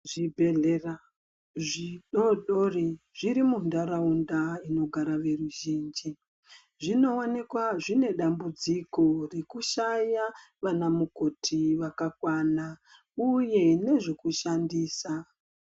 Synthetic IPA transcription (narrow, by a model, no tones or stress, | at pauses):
ʐibʱe̞ɮera | ʐiɗoɗoriʐiɾimundaɾaundaino̞ɡʱaɾaʋe̞ruʒiːnd͡ʒi | ʐino̞onekwaʐine̞ɗambud͡ziko̞rekuʃaja | ʋanamuko̞tʰiʋakakwana | uje̞ne̞ʐekuʃandiːsa